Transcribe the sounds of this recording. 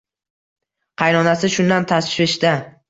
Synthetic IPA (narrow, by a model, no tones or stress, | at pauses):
qʰɑjnɒnasɪʃʊnd̪ant̪ʰasʃɪʃd̪a